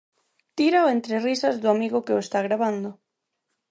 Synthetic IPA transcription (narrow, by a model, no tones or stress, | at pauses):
t̪iɾaoent̪ɾerisɐzðʊamiɣʊkɪoest̪aɣɾaβ̞and̪ʊ